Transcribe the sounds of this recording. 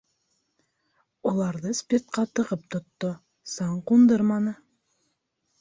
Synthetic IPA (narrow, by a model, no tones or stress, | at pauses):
ulˠɑɾðɤspʲert̪̚qɑt̪ɤ̆ʁɤp̚t̪ŏt̪ːo | sɑɴqund̪ɤɾmɑnɤ